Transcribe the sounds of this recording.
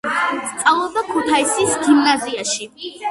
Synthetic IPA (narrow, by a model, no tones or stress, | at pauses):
st̪sʼavlˠɔbakʰut̪ʰaisisɡinnaziaʃi